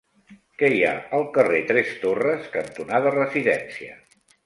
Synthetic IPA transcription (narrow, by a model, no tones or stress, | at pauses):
kɛja̰əlˠkəret̪ɾɛst̪orəskənt̪unaðərəziðɛnsiə